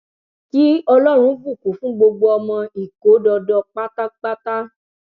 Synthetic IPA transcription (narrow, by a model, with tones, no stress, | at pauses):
ki˦ɔ˧lɔ˦ɾ̃ũ˧˦vu˦˨ku˨˦fũ˦ɡ͡bo˧ɡ͡bo˧ɔ˧mɔ̃˧i˦˨ko˨˦dɔ˧dɔ˧k͡pa˦ta˦k͡pa˦ta˦